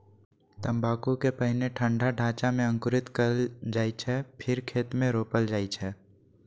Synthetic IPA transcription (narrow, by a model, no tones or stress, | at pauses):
t̪ɐ̃mbaːkukepəɦɪneʈʰə̃ɳɖʱaɖʱaːt͡ʃamẽə̃ŋkʊɾɪt̪kəɾd͡ʒaːit͡ʃʰɛpʰɪɾkʰeːt̪mẽɾoːpəld͡ʒaːit͡ʃʰɛː